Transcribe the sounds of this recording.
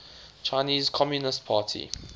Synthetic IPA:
t͡ʃʰaɪniːz̥kʰɔmjunɪst̚pʰaːtʰḭ

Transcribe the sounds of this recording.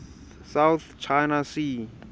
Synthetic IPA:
sawt̪t͡ʃʰajnasi

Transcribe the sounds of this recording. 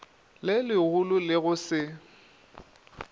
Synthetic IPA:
lɪlɪɣulʊlɪɣʊsɪ

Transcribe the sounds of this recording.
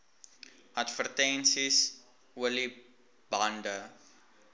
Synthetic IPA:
adfərtɛ̃nsis | wəli | bandə

